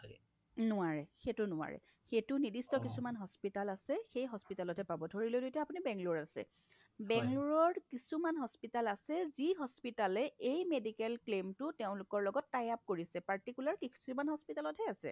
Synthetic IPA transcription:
nʊaɹɛxetʊnʊwa̰ɹɛ̰ | xetʊnidistɔkisumanɦɔspitalasɛxejɦɔspitalɔtʰɛpabɔtʰoɹilojdojtjaapunibɛŋluɹasɛ̰ | bɛŋluɹɔɹkisumanɦɔspitalasɛziɦɔspitalɛejmedikɛlklemtʊteʊ̃lʊkɔɹlɔɡɔtːajap̚koɹisɛpaɹtikulaɹkisumanɦɔspitalɔtʰɛasɛ̰

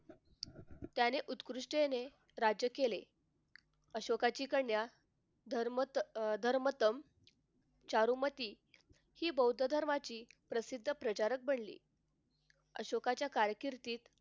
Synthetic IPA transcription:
t̪janeʔut̪kɾuʂʈene | ɾad͡ʑjəkelḛ | əɕokat͡ɕiːkəɳja | ɾd̪ʱəɾmət̪əm | t͡ɕaɾumət̪iː | hiːbəwd̪ʱəd̪ʱəɾmat͡ɕiːpɾəsid̪ʱːəpɾət͡ɕaɾək̚bʱəɳlḭː | əɕokat͡ɕjakaɾjəkiɾt̪iːt̪

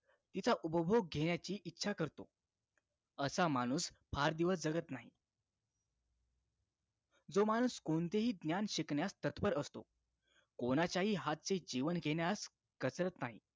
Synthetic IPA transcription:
t̪it͡saʔupəbʱoɡ̚ɡʱeɳjat͡ɕiːʔitːɕʰakəɾt̪o̰ | əsamañuːspʰaɾd̪iʋəsd͡zəɡət̪naɦḭ | d͡zomaɽ̃uːskont̪eɦiːd̪njanɕikɳjast̪ət̪pəɾəst̪o̰ | koñat͡ɕaɦiːɦat̪̚t͡sed͡ʑiʋənkeɳjas | kət͡sɾət̪naɦḭ

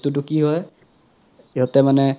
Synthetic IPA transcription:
tut̬ʊkiɦɔj | iɦɔtɛmanɛ

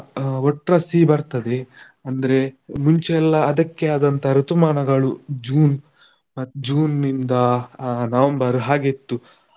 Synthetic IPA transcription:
ɔʈɾɐsibɐɾt̪ɐd̪e̞ | ɐnd̪ɐɾe̞muɲt͡ʃeɛlːɐːd̪ɐkːeaːd̪ɐnt̪ɐɾut̪umaːɳɐɡɐɭud͡ʒuːn | ɐd͡ʒuːnːind̪ɐnɐːʋɐmbɐɾuɦaːɡet̪ːu

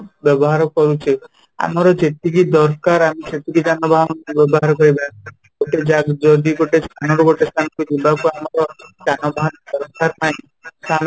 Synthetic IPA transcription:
bjɔbɔɦaɾɔkɔɾut͡ʃʰe | a̰mɔɾɔd͡ʒet̪ikid̪ɔɾkaɾamiset̪ikid͡ʒanɔbʱaɦɔnɔnbjɔbɔɦaɾɔkɔɾiba | ɡ̥oʈed͡ʒaɡd͡ʒɔd̪iɡoʈest̪ʰanɔɾuɡoʈest̪ʰanɔkud͡ʒibakuamɔɾɔd͡ʒanɔbʱaɦɔnɔd̪ɔɾɔkaɾnaĩ | st̪ʰan

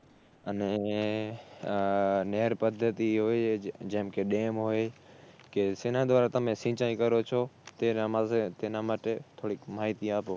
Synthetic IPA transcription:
əneː | neːɾpəd̪ʱət̪iːɦoːed͡ʒə̃ɦɪmkʰeːɗeːmɦoːeː | keːsenãːd̪ʋaːɾat̪əmẽːsĩːt͡ʃaːĩːkəɾoːt͡ʃʰoːt̪eːnamaːset̪eːnaːməʈeːt̪ʰoːɽiːkmaːɦit̪iaːpoː

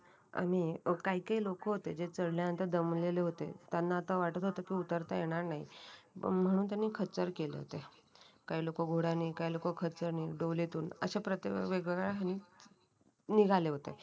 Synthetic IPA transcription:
a̰m̤iːkaɦikaɦiːlokoɦot̪ed͡zet͡səɽljaənt̪əɾd̪əmleleɦot̪ḛt̪janːaːt̪aʋaʈət̪ɦot̪əkiːut̪əɾt̪ajeɽ̃aɾnaɦḭ | m̤əɽ̃uːnt̪janːiːkʰət͡səɾkelḛɦo̰t̪e | kaɦiːlokoɡʱoɽaniːkaɦilokokʰət͡səɾniːɖolet̪uːnə̰ɕapɾət̪ʋeɡʋəɡaɭɦaniː | niɡʱaleɦot̪ḛ

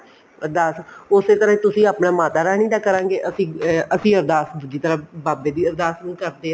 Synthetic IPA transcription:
əɾd̪aːsʊseːt̪əɾãt̪ʊsĩːaːpnaːmaːt̪aːɾɛːñĩːd̪aːkəɾãːŋɡeːʔəsĩːəsĩːəɾd̪aːsd̪ʊd͡ʒiːt̪əɾəbaːbeːd̪iːəɾd̪aːsnũːkəɾd̪eː

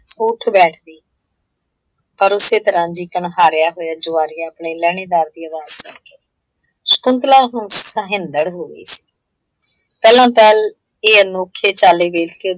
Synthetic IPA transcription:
soːʈʰbɛːʈʰd̪iː | pəɾʊseːt̪ɪɾãːɲd͡ʒiːkəɳɦaːɾjaːɦoːjaːd͡ʒʊːaːɾiːaːpɳeːlɛːɽ̃eːd̪aːɾd̪iːəd̪aːssəɡeː | sə̥kʊnt̪laːɦʊ̃nsəɦɪ̃nd̪əɽɦoːɡḭːsi̥ː | pɛːlãːpɛːl | eːənoːkʰːeːt͡ʃaːleːbeːlke

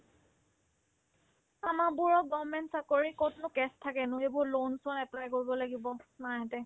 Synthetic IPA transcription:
amabʊɹɔk̚ɡɔmɛntsakoɹikotnʊkɛstʰakɛnʊebʊɹlonsɔnɛplajkoɹibɔlaɡibɔnajatɛ

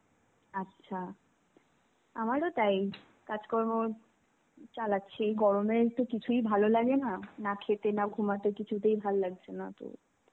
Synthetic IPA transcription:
atːɕʰa | amaɾot̪aj | kad͡ʑkɔɾmo | t͡ɕalatːɕʰeejɡɔɽomeɾt̪okit͡ɕʰujbʱalolaɡenanakʰet̪enaɡʱumat̪ekit͡ɕʰut̪̬ejbʱalolaɡ̚t͡ɕʰenat̪o̰

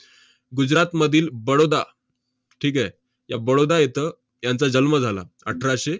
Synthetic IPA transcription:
ɡud͡ʑɾat̪məd̪ʱiːlbəɽod̪a | ʈʰiːkɛ | jabəɽod̪ajet̪ə | jãnt͡sad͡ʑəlməd͡zʱala̰ | ə̰ʈʰɾaɕe

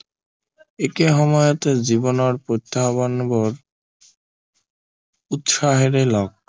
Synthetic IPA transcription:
ekeɦɔmɔjot̪ed͡ʑibonoɾpɾot̪ʰːabɔnboɾ | ut̪ʃaɦeɾelɔɡ̚

